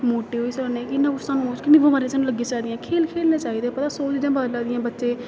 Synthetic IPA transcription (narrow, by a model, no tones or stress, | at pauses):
moːʈeːɦoːiːsəːneːkɪnːãʊsaːnũːt͡ʃkɪnĩːbomaːɾẽːsaːnũːləɡĩːt͡ʃaːid̪ɪjãːkʰeːlkʰeːlneːt͡ʃaːiːd̪eːpət̪aːsoːd͡ʒɪd̪ãːbaːd̪laːd̪ɪjãːbətːʃeː